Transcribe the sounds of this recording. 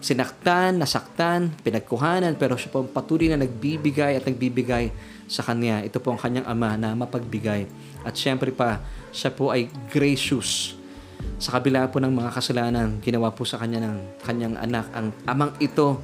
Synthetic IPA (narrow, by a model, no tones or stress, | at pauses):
sɪnɐk̚t̪anːɐsɐk̚t̪anpɪnɐɡ̚kʊɦaːnɐnpɛːɾo̞ʃapoʔɐŋpɐt̪uːlojnɐnɐɡ̚bibɪɡajɐt̪̚nɐɡ̚bibɪɡaj | sɐkɐnaʔɛt̪o̞po̞ʔɐŋkɐɲːaŋʔɐmanɐmɐpɐɡ̚bɪɡaj | ʔɐt̪̚ʃɛmpɾɛpɐʃapo̞ʔɐjɡɾɛʃʊs | sɐkɐbɪlaponɐŋmɐŋakɐsɐlaːnɐnɡɪnɐwaposɐkɐɲanɐŋkɐɲaŋʔɐ̰nakʔɐŋʔɐmaŋʔɪt̪o̞